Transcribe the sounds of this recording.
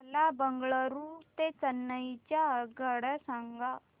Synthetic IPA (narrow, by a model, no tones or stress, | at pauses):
labəŋɡɭəɾut̪et͡sənːəjt͡ɕjaɡʱəɽəsãŋɡa